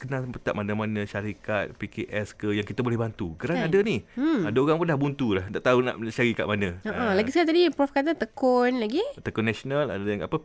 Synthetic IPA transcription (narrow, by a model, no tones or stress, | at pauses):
kənapət̪a̰ʔmanamanãʃaɾikat̪̚pikeʔɛskəjaŋkit̪əbolɛhbant̪uɡəɾanadəniadaoɣaŋpundahbunt̪ulahdaʔt̪auna̰ʔmət͡ʃaɾika̰ʔmanə̃əʔəlaɡiskaat̪adipɾɔfkat̪̬at̪əkɔnlaɡit̪əkɔnasonala̰dajaŋa̰pə